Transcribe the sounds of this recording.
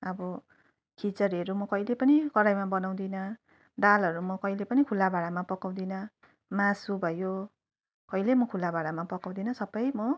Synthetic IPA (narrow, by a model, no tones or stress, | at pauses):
ʌbʌ | kʰit͡sʌɾʌɾumʌkʌjlepʌnikʌɾajmabʌnaw̃d̪inʌ | ɖalɦʌɾumʌkʌilepʌnikʰulːabaɽamapʌkaw̃d̪inʌ | mãsubʱʌjo | kʌilemʌkʰulːabaɽamapʌkaw̃d̪inʌsʌbʌjmʌ